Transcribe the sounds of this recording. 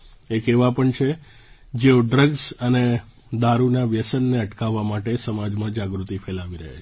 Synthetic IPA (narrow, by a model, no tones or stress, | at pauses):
ekeʋapəɳt͡ʃʰe | d͡ʒeoɖɾəɡzəne | d̪aɾunaʋjəsənːeəʈkaʋːamaʈesəmad͡ʒmãd͡ʒaɡɾut̪ipʰelaʋiɾəɦḛt͡ʃʰ